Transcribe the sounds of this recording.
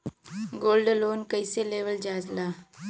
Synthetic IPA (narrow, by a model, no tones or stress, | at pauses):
ɡoːlɖloːnkəɪseleːʋəld͡ʒaːzlaː